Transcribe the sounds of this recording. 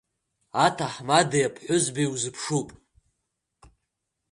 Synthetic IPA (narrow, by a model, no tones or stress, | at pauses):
atʰaħmadejapʰħʷʊzbijwzɨpʰʂupʼ